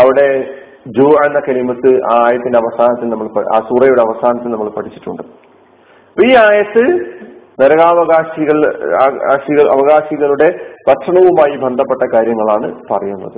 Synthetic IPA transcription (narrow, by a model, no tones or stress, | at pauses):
ɐʋiɽe̞ | d͡ʑuːɐnːɐkɐɾimɐt̪ːɨaaːjɐt̪ːindeɐʋɐsaːnɐt̪ːilnɐmːɐɭpɐa̰ːsuːrɐjuɽeɐʋɐsaːnɐt̪ːilnɐmːɐɭpɐʈʰit͡ɕːi̥ʈːuɳɖɨ | poːiːaːjɐt̪ːɨneɾɐɣaːʋɐɣaːɕiɣɐɭa̰ːɕiɣɐɭʔɐ̰ʋɐɣaːɕiɣɐɭuɽe̞pɐʈʂɐɳɐʋumaːjibʱend̪ʱɐpːe̞ʈːɐkaːɾjɐŋːɐɭaːɳɨpɐrɐjunːɐ̰ðɨ